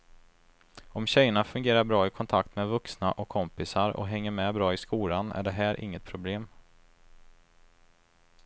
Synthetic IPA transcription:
ɔmɕɛjːəɳafɵŋɡeːɾaɾbɾɑːɪkʰɔnt̪ʰak̚t̪mɛːvɵksnaʔɔkʰːɔmpɪsaɾɔ̰ɦɛŋːəɾmɛbɾɑːɪskuːlanæ̰ɖɛɦæːɾʔɪ̰ŋːət̪̚pʰɾʊbleːm

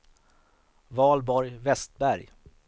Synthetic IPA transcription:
vɑːlbɔɾjvɛst̪̚bæɾj

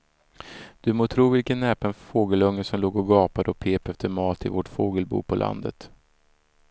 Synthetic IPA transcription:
d̪̥ɵmoːt̪ʰɾuːvɪlkənːɛːpənfoːɡəlɵŋːəʂɔmloːɡɔɡɑːpad̪əɔpʰeːpɛft̪əɾmɑːt̪ʰɪvoːʈfoːɡəlbṵːpʰɔlʔa̰nd̪ə̰t̪

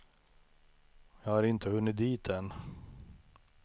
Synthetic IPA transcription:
jɑːɡhaɾɪnt̪ʰəvɵnːɪt̪̚d̪iːt̪ɛn

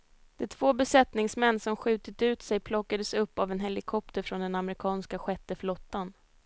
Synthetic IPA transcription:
d̪̥ɛt̪ʰv̥oːbɛsɛt̪nɪŋsmɛnːsɔmɧʉ̟ːt̪ɪt̪ʉ̟ːt̪sɛjpʰlɔkːad̪əsɵpːavɛnɦɛlɪkʰɔp̚t̪əɾfɾɔnd̪ɛnamɾɪkʰɑːnskaɧɛt̪ːəflɔt̪ːan

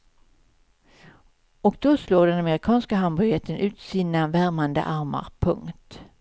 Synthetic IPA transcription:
ɔk̚d̪̥oːsloːɖɛnamɛɾɪkʰɑːnskaɦanbœɾjɛt̪ʰːənʔʉ̟ːt̪siːnavæɾmand̪ə̰ʔaɾma̰ɾpʰɵ̰ŋkt̪

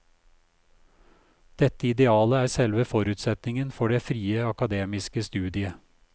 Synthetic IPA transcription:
d̪̥ɛt̪ːəɪd̪ɛɑːləæːɾsɛlʋəfɔɾʉːt̪sɛt̪nɪŋənfɔɖeːfɾiːəɑkɑd̪eːmɪskəst̪ʉːd̪ɪə

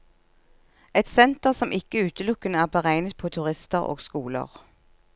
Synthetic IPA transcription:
ɛt̪sɛnt̪əʁsɔmʔɪkəʉːt̪əlʊkənəæːʁbəʁæɪnət̪̚pʰoːt̪ʰʉʁɪst̪əʁo̰ːɡskuːlə̰ʁ

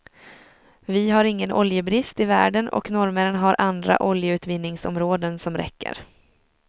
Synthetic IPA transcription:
vɪɦaɾɪŋːənʔɔljəbɾɪst̪ɪvæ̰ːɖənɔ̰knɔɾməɾənɦaɾʔand̪ɾa̰ʔɔljəʉ̟ːt̪vɪnːɪŋsɔ̰mɾoːd̪ənsɔmɾɛ̰kːə̰ɾ

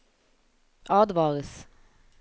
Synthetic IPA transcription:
ʔɑːd̪ʋɑːʁəs

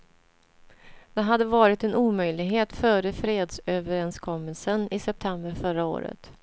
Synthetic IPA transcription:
d̪ɛɦad̪ːəvɑːɾɪt̪ɛnuːmœjlɪɡɦeːt̪fœːɾəfɾeːd̪søːvəɾɛnskʰɔmːəlsənɪsɛp̚t̪ʰɛmbəɾfœɾao̰ːɾə̰t̪

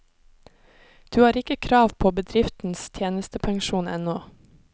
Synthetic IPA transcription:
d̪̥ʉːhɑːɾɪkəkʰɾɑːʋpʰoːbəd̪ɾɪft̪n̩st̪ʰjeːnəst̪əpʰɑŋʃuːnɛ̰noː

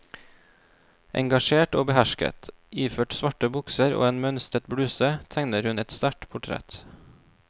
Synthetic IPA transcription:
ʔɛ̰ŋɡɑʃeːʈoːbəhæʃkə̰t̪ | iːføːʈsʋɑʈəbʊksəɾo̰ːeːnmœnst̪ɾət̪̚bɽʉːsət̪ʰæŋnəɾhʉnɛt̪st̪æʈpʰʊʈʰɾɛ̰t̪

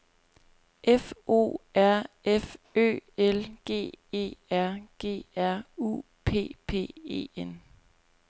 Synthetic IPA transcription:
ʔefo̝̰ːæɐ̰ | efø̰ːelɡ̥e̝̰ːe̝̰ːæɐ̰ɡ̥e̝̰ːæɐ̰ṵ | pʰe̝̰ːpʰe̝̰ːe̝̰ːen

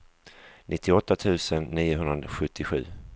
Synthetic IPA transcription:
nʔɪt̪ːɪɔt̪ːat̪ʰʉ̟ːsənːiːʊɦɵnɾad̪ɧɵt̪ʰːɪɧʉ̟ː

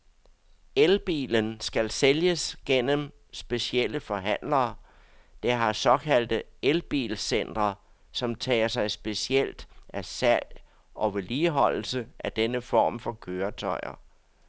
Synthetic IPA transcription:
elb̥ḭːlənsɡ̥ælseljəsɡ̥en̰əm | sb̥e̝siel̰əfɒ̽ɦæn̰lɐː | d̥eɦɑ̈sɒ̽kʰæl̰d̥əelb̥ḭːlsen̰d̥ʁɐ | sɒ̽mt͡sʰɛ̰ːɐsɑ̈ɪsb̥e̝siel̰d̥æsæl̰ | ʔɒ̽ʋe̝liːɦɒ̽l̰l̩səʔæd̥enəfɒ̰ːmfɒ̽kʰøːɐt͡sʰɒɪɐ̰

